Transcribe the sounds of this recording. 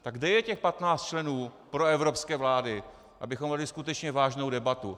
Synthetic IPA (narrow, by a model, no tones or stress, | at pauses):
t̪aɡdɛjɛcɛxpat̪naːt͡st̪t͡ʃlɛnuːpɾoɛvɾo̞pskɛːvlaːdɪ | ʔa̰bɪxomːɛlɪskut̪ɛt͡ʃɲɛvaːʒnowdɛbat̪u